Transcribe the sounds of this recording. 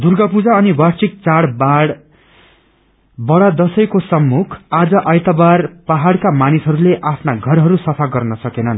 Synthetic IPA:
d̪urɡʌpud͡zaʌniwart͡sʰik̚t͡saɽbaɽ | bʌɽad̪ʌsʌjkosʌmːukʰad͡zʌʔajt̪ʌbarpaɦaɽkamanisɦʌɾuleʔapʰnaɡʱʌrɦʌɾusʌpʰaɡʌrnʌsʌkenʌn

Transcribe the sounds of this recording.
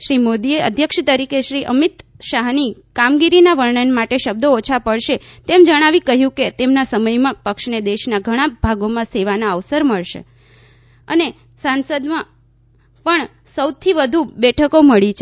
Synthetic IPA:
ʃɾimod̪ieə̰d̪ʱjəkʃt̪əɾikʰeʃɾiʔəmit̪ʃaɦnikamɡiɾinaʋəɭɳənmaʈeʃəb̚d̪oot͡ʃʰapəɭʃet̪emd͡ʒəɽ̃aʋikəɦjũket̪emnasəməjmãpəkʃned̪eʃnaɡʱəɽ̃abʱaɡomãseʋanaəʋsəɾməɭʃḛ | ə̰ne | sansəd̪mã | pəɳ | səwt̪ʰiʋəd̪ʱubɛʈʰəkoməɭit͡ʃʰ

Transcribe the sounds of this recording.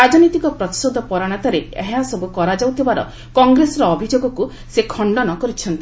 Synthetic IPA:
ɾad͡ʒɔnit̪ikɔpɾɔt̪i̥sod̪ʱɔpɔɾaɽ̃at̪aɾeḛɦasɔbukɔɾad͡ʒawt̪ʰibaɾɔ̰ | kɔŋɡɾesɔɾɔːbʱid͡ʒoɡɔku | sekʰɔɳɖɔnɔkɔɾit͡ʃʰɔnt̪i

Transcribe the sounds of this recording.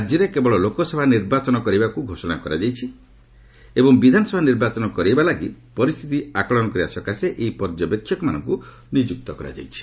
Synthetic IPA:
ad͡ʒjɔɾekebɔɭɔlokɔsɔbʱaniɾbat͡ʃɔnɔkɔɾibakuɡʱosɔna̰kɔɾa̰d͡ʒajt͡ʃʰi | ebɔŋbid̪ʱanɔsɔbʱaniɾbat͡ʃɔnɔkɔɾibalaɡipɔɾist̪ʰit̪iakɔɭɔnɔkɔɾiasɔkaseʔeipɔɾd͡ʒɔpekʰːjɔkɔmanɔ̰ŋku | nid͡ʒuk̚t̪ɔkɔɾa̰d͡ʒa̰jt͡ʃʰi̥

